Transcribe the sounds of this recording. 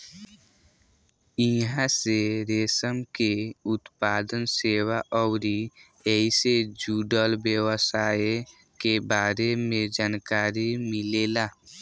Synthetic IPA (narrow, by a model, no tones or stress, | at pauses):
ɪɦãseɾeːsəmkeʊt̪paːd̪ənseːwaʔɔwɾi | ɛised͡ʒuːɖəlbjəwəsaː | kebaːɾemẽd͡ʒaːnkaːɾimɪlelaː